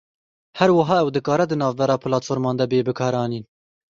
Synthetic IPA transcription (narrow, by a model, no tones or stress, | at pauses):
hɛɾwɨɦɑːɛwd̪ɨkɑːɾɛd̪ɨnɑːvbɛɾɑːpʰɨlɑːt̪foːɾmɑːnd̪ɛbeːbɨkʰɑːɾɑːniːn